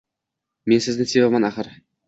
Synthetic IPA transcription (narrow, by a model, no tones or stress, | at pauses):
mensɪznɪsevamɑnaχəɾ